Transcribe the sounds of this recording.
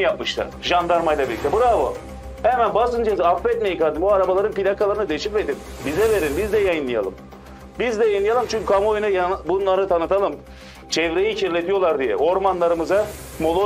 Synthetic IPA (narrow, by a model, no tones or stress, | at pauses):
jap̚mɯʃt̪ʰa̰ʒand̪aɾmajlˠabilʲit̪ʰɛbuɾabu | hɛmænbasɯnd͡ʒazafvɛt̪̚mejikaɾd̪imbuaɾabalˠaɾɯnpilʲakʰalˠaɾɯnɯd̪eʃipved̪in | bizɛve̞ɾinbizd̪ɛjajɯnlˠɯja̰lˠɯ̰m | bizd̪ɛjajɯnˠɯjalˠɯmt͡ʃʰyɲcykʰamojunajanbunlˠaɾɯt̪ʰanɯt̪ʰalˠɯm | t͡ʃʰɛvɾejicʰiɾlʲet̪ʰijo̞lˠaɾd̪ijɛ̰ʔo̞ɾmanlˠaɾɯmɯza | molˠo